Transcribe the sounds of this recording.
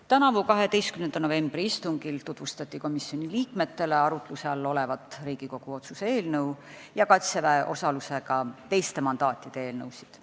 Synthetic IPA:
t̪ænɑvukɑɦe̞d̪e̞jst̪kymnend̪ɑno̞ve̞mb̥riist̪uŋɡ̥ilt̪ut̪vust̪ɑt̪ʲːˑiko̞misio̞nʲiliːkme̞t̪ːe̞le̞ɑɾut̪ˑluse̞ɑlːo̞le̞vɑt̪ːˑriːɡ̥iko̞ɡ̥uo̞t̪susee̞ːlnɤw | jɑkɑt̪sevæʔo̞̰sɑluse̞ɡɑt̪e̞jst̪e̞mɑnd̪̥ɑːt̪ʲːˑid̪̥e̞e̞ːlnɤwsi̥d̪̥

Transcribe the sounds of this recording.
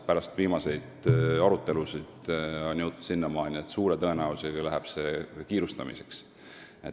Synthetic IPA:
pæɾɑst̪viːmɑse̞jd̪̥ɑɾut̪ːe̞lusid̪̥onʲjɤwt̪ːˑu̥sinːɑmɑːnʲiet̪ːsuːɾet̪ɤe̞næuseɡɑlæɦɛb̥se̞kiːɾust̪ɑ̰mḭse̞ks | et̪

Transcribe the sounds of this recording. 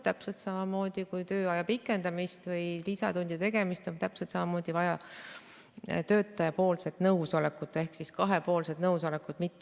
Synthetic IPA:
t̪æpselt̪sɑmɑmo̞ːd̪̥ikujt̪øːɑjɑpikːˑe̞nd̪̥ɑmist̪vɤjlisɑt̪unʲd̪̥ʲit̪e̞ɡe̞mist̪ont̪æpset̪sɑmɑmo̞ːd̪̥ivɑjɑ | t̪ø̞ːt̪ːˑɑjɑpo̞ːlse̞t̪ːnɤwso̞lekːˑut̪ːˑe̞hksiskɑɦe̞po̞ːlse̞d̪nɤwso̞lekːˑud̪̥mit̪ːˑe

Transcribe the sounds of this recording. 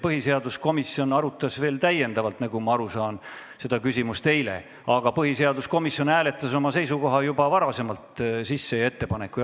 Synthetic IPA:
pɤɦise̞ɑd̪̥usko̞misjo̞nɑɾut̪ːˑɑsve̞ːlt̪æjːe̞nd̪ɑvɑlt̪nɑɡumɑɑɾusɑːnse̞d̪̥ɑkysʲimust̪t̪e̞jle̞̰ | ɑɡ̥ɑpɤɦise̞ɑd̪usko̞misːjo̞næːle̞t̪ˑːɑso̞mɑse̞jsuko̞ɦɑjubɑvɑɾɑse̞mɑlt̪sisːe̞jɑe̞t̪ːe̞pɑne̞kːˑu

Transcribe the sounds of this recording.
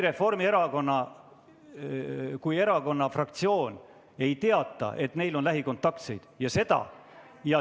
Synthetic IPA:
ɾe̞fo̞rmie̞ɾɑko̞nːɑ | kuje̞ɾɑko̞nːɑfrɑkt̪sio̞ːn | e̞jt̪e̞ɑt̪ːˑɑ̰ʔe̞t̪ne̞jlo̞nlæɦiko̞nt̪ːˑɑkt̪se̞̰jd̪̥jɑse̞d̪̥ɑ̰ | jɑ

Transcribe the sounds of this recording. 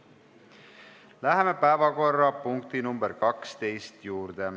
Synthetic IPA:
læɦeme̞pæevɑko̞rːɑpuŋk̚t̪inumbeɾkɑkst̪e̞jst̪juːɾd̪̥e

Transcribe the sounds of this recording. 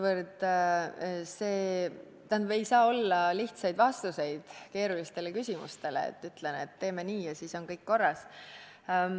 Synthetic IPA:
vərd̪ | se̞ː | t̪ænvejsɑːo̞lːɑliht̪sɑjd̪̥vɑst̪use̞jd̪̥ke̞ːɾulist̪e̞le̞kysʲimṵst̪e̞leḛt̪ːˑyt̪leneet̪ːe̞ːme̞niːjɑsiːso̞nkɤjkko̞rːɑs

